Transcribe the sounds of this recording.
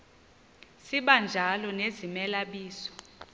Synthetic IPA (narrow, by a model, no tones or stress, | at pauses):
siɓand͡ʒʱalɔnezimɛlaɓiːsɔ̥